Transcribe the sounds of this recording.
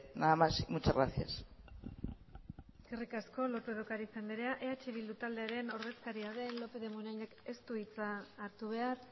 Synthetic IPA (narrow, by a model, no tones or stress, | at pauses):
naamasimut͡ʃaɣɾaθia̰s | skerikasko̞lo̞pe̞ð̞o̞kaɾisend̪eɾeaʔe̞at͡ʃe̞βild̪ut̪ald̪e̞aɾe̞no̞ɾðe̞skaɾiaðe̞nlo̞pe̞ðemunajneke̞st̪uit͡saːɾt̪uβ̞e̞ar